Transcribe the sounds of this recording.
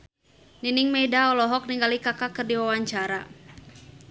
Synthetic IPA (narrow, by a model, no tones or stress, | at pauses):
niniŋmɛdaɔlɔɦɔk̚niŋɡalikakakɨrdiwawaɲt͡ʃaɾa